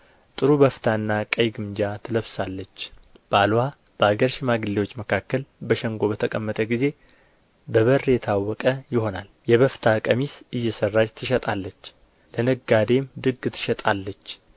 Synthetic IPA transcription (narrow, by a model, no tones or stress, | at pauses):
t̪ʼɨɾubəft̪ʰaɨnːakʼəjɡɨmd͡ʒat̪ʰɨləβsalːət͡ʃː | b̥əalwa | b̥əaɡəɾʃɪmaɡɨlːewo̞t͡ʃːməkʰakːəlbəʃɛŋɡo̞βət̪ʰəkʼəmːət̪ʼəɡize̞ | bəβərːjɛt̪ʰawːɔkʼəjɪho̞nal | jɛβəft̪ʰakʼəmisɨjːɛsərːad͡ʒt̪ʰɨʃɛt̪ʼalːət͡ʃː | lənəɡːad̪e̞md̪ɨɡɨt̪ʰɨ̥ʃɛt̪ʼalːət͡ʃː